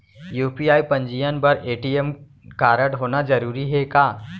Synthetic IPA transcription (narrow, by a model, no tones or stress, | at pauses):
juːpiaːipɐ̃ɲd͡ʒijənpɐɾeːʈijɛm | kaːɾəɽɦoːnad͡ʒɐɾuːɾiɦɛkaː